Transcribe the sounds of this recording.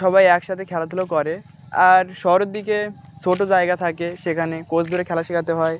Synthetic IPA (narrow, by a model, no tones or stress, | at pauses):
ʃɔbajɛkʃat̪ʰekʰɛlat̪ʰulokɔɾe | aɾʃɔɦoɾed̪ːike | t͡ɕʰoʈod͡ʑaeɡat̪ʰakeʃekʰanekod͡ʑʰd̪ʱoɾekʰɛlaʃikʰat̪eɦɔe